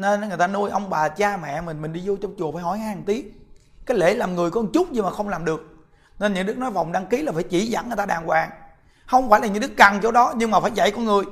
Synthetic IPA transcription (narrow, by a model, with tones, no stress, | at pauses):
ne˧n˨˦ŋɨ˨˩ət̪aː˧nu˧əjʔə˧wŋ͡mɓaː˨˩t͡ɕaː˧mɛ̰˧˨mï˨˩ŋ̟mï˨˩ŋ̟ɗi˧zo˧t͡ɕɔ˧wŋ͡mt͡ɕu˨˩faː˧˩˦hɔ˧˩jhaː˧˦a˨˩ŋt̪i˦ən̚ | kaː˨˦jle˧˩˦laː˨˩mŋɨ˨˩əjkɔ˧˨˧t͡ɕʊ˦˥k͡p̚ɲi˧maː˨˩xə˧wŋ͡mlaː˨˩mɗɨ˨˩ək̚ | ne˧nɲɨ̰˧˥˦ɗɨ˦˥k̚nɔ˨˦jva˨˩wŋ͡mɗaː˧ŋki˨˦laː˨˩faː˧˩˦jt͡ɕi˧˩˦za̰˧˥nŋɨ˨˩t̪aː˧ɗaː˨˩ŋkwaː˨˩ŋ | hə˧wŋ͡mfaː˧˩jla˨˩ɲɨ̰˧˦˥ɗɨ˦˥k̚ka˨˩ŋt͡ɕo˧˦ɗɔ˨˦ɲɨ˧ŋmaː˨˩faː˧˩˦jza̰˧˨jkɔ˧˦nŋɨ˨˩əj